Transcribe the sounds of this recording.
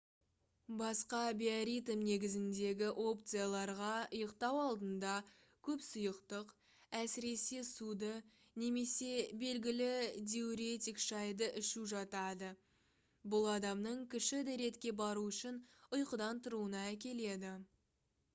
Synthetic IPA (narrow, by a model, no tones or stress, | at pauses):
bɑsqɑbʲiaɾijt̪mne̞ɡʲɪzɪnd̪e̞ɡʲɪʔo̞p̚t̪sɨjalˠɑɾʁɑəjəqt̪ɑwɑlˠd̪ənd̪ɑ | kʲʰɵpsʊjəqt̪əq | æsɪɾe̞sesud̪ə | ne̞me̞se̞be̞lɡʲɪlɪd̪ʲeuɾe̞t̪ʲijkʃɑjd̪əʔɪʃuʒɑt̪ɑd̪ə | bʊlˠɑd̪ɑmnəɴkʲʰɪʃɪd̪eɾe̞t̪kʲe̞bɑɾuʏʃɪnʊjqəd̪ɑnt̪əɾuənɑækʲe̞le̞d̪ɪ